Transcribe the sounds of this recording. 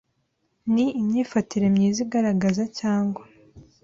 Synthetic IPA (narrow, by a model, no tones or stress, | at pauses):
niimɲiːfatiɾe̞mɲiːziɡaɾaɡazacaːŋɡwa